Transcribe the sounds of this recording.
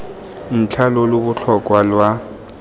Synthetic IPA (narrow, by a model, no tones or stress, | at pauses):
n̩t͡ɬʰalɔlobʊɬʰɔkʼwalwa